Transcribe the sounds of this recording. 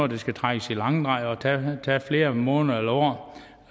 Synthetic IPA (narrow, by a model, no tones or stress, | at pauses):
ɒd̥esɡ̥æt͡sʰʁɑɡ̥əsilɑ̈ŋəd̥ʁɑ̈ɪ̰ɒt͡sʰæfle̝ːɐmɔ̽ːnɐelɐɒ̰ː